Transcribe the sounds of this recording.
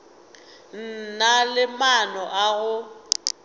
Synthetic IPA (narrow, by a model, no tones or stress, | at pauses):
n̩nalɪmanɔʔaɣʊ